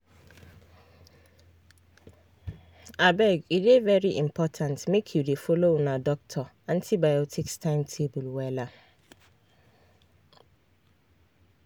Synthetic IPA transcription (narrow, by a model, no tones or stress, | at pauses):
abɛɡidevɛɾiʔimpʰɔtʰãntmẽkʰjudefolonãdɔk̚tʰɔ | ãntʰibajɔtʰikstʰãɪ̃mtʰebulwɛla